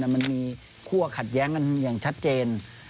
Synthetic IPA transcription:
a˧˩ma˧˥nmiː˧ | kʰu˧˩ɐkʰa˨˩t̪̚jɛː˦˥ŋka˧˨njaː˨˩ŋt͡ɕʰa˦˥t̪̚t͡ɕeː˧n

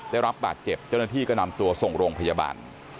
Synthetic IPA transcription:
daː˥˩jɾa˦˥p̚ba̰ː˨˩t̪̚t͡ɕe˨˩p̚t͡ɕa˥˩na˥˩t̪ʰiː˥˩kɔː˥˩na˧mt̪u˧ɐso˨˩ŋɾoː˧ŋpʰa˧jaː˧ba̰ː˧n

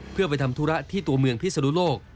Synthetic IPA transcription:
pʰɯ˥˩ɐpa˧jt̪ʰa˧mt̪ʰu˦˥ɾa˦˥ʔt̪ʰiː˥˩t̪u˧ɐmɯ˧əŋpʰi˥sa˧nu˦˥loː˥˩k̚

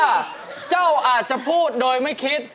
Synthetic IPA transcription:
t͡ɕa˥˩wʔaː˨˩t̪̚t͡ɕa˨˩pʰuː˥˩t̪̚doː˧jma˥˩jkʰi˦˥t̪̚

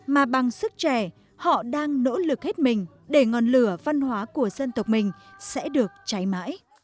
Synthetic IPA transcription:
maː˨˩ɓa˨˩ŋsɨ˦˥k̚t͡ɕɛ˧˩ | hɔ̰˧˨ɗaː˧ŋno̰˧˥lɨ˨˩k̚he˦˥t̚mï˨˩ŋ̟ | ɗe˧˩ŋɔ˨˩nlɨ˧˩əva˧nhwaː˨˦ku˧˩əz̥ə˧nt̪ə˨˩wk͡p̚mï˨˩ŋ̟sɛ̰˧˥ɗɨ˨˩ək̚t͡ɕa˨˦jma̰ː˧˥j

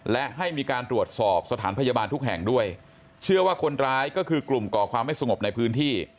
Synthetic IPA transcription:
lɛ˦˥ʔɦa˥˩jmiː˧kaː˧nt̪ɾu˨˩ət̪̚sɔː˨˩p̚sa˧t̪ʰaː˩˦npʰa˧jaː˧baː˧nt̪ʰu˦˥k̚ɦɛ˨˩ŋdu˥˩əj | t͡ɕʰɯ˥˩ɐwaː˥˩kʰo˧nɾaː˦˥jkɔː˥˩kʰɯː˧klu˨˩mkɔː˨˩kʰwaː˧mːa˥˩jsa˧ŋo˨˩p̚na˧jpʰɯː˦˥nt̪ʰiː˥˩

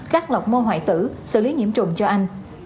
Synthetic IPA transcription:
kaː˦˥k̚la˨˩wk͡p̚mo˧nɦwa̰ː˧˨jt̪ɨ̰˧˥sɨ̰˧˨li˨˦ŋḭ˧˥əmt͡ɕʊ̰˧˩ŋ͡mt͡ɕɔ˧ʔa˧jŋ̟

